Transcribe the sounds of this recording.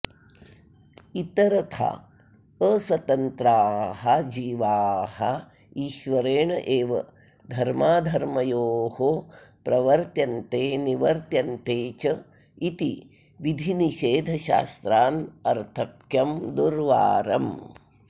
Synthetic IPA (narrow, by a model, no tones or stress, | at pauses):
it̪ɐɾɐt̪ʰa̰ | əswɐt̪ɐnt̪ɾaːhɐd͡ʒiːʋaːhɐ | iːʃʋɐɾeːɳɐʔeːʋɐ̰ | d̪ʱɐɾmaːd̪ʱɐɾmɐjoːhopɾɐʋɐɾt̪jɐnt̪eːniʋɐɾt̪jɐnt̪eːt͡ʃɐ | it̪i | ʋid̪ʱiniʃeːd̪ʱɐʃa̰ːst̪ɾaːnɐɾt̪ʰɐkjɐmd̪uɾʋa̰ːɾɐ̰m